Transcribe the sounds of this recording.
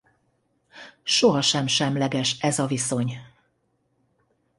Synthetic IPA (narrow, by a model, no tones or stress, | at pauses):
ʃoɦɒʃɛmʃɛmlɛɡɛʃɛzɒviso̞ɲ